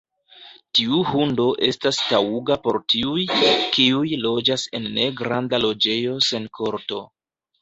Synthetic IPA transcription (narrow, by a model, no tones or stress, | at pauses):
tiuhundo̞ʔe̞stastauɡapo̞ɾtiujkiujlo̞d͡ʒase̞nːe̞ɡɾandalo̞d͡ʒe̞jo̞se̞nkʰo̞ɾto̞